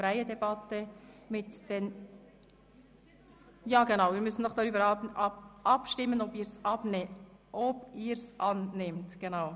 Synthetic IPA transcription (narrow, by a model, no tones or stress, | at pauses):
ɾæjədɛbɑt̪ːəmɪtd̥ɛn | jɑːɡ̥enɑwɪːɾmʏsən̩dɔχd̥ɑɾyːbəɾɑɑʔɑpʃtɪmːənɔbɪːɾsɑbnɛʔɔbɪːɾsʔɑnnɪmtɡ̥enɑʊ